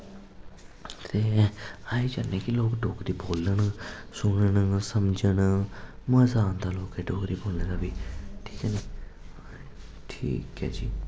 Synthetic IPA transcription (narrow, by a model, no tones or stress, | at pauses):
t̪eːaːiːd͡ʒa̰ːnːeːkɪloːkɖoːkɾiːboːləɳsʊɳəɳsəmd͡ʒəɳməzaːnd̪aːloːkɛːɖoːkɾiːboːlẽːd̪aːbiːʈʰiːkɛːneː | ʈʰḭːkɛ̰ːd͡ʒḭː